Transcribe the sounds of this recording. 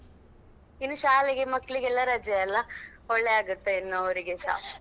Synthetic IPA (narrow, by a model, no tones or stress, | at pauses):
inːuʃaːliɡemɐkːɭiɡɛlːaɾɐd͡ʒjɐɐlːɐɔɭːeaːɡut̪ːeinːooɾiɡeʃa̰ː